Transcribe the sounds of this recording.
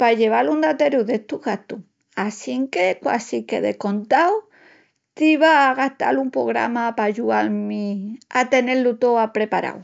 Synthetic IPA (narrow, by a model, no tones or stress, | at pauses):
paʝe̞β̞alund̪at̪eɾuðet̪uɣat̪u | asiŋkekwa̰sikḛðḛko̞nt̪aw | t̪iβaːɣaht̪a̰lumpɾo̰ɣ̞ɾa̰mapaʝualmiat̪e̞ne̞lut̪oapɾe̞paɾa̰w